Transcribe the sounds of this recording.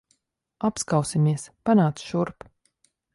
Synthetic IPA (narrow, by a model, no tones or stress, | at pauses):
apskawsimiɛspanaːt̪sʃuɾp